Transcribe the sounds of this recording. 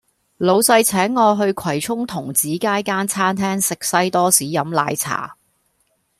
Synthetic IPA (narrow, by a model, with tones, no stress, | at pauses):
lo˨˧wsɐ˧jt͡sʰɛː˨˥ŋːɔː˨˧ɦɵ˧ɥkʷʰwɐ˨˩jt͡sʰʊ˥ŋt̪ʰʊ˨˩ŋt͡siː˨˥kaː˥jkaː˥nt͡sʰaː˥nt̪ʰɛː˥ŋsɪ˨k̚sɐ˥jt̪ɔː˥siː˨˥jɐ˨˥mla̰ː˧jt͡sʰa̰ː˨˩